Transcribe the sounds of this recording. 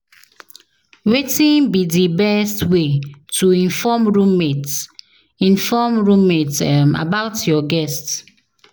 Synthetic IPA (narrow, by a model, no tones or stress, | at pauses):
wetĩnbidibɛstwetuĩnfɔmɹũmet | ĩnfɔmɹũmetɛma̰baʊtjɔɡɛst